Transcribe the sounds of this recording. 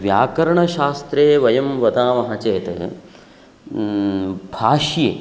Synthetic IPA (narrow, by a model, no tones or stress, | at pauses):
ʋjaːkɐɾɐɳɐʃaːst̪ɾeːʋɐjɐmʋɐt̪aːmɐɦɐt͡ʃeːt̪ɐ̰ | bʱaːʃjḛː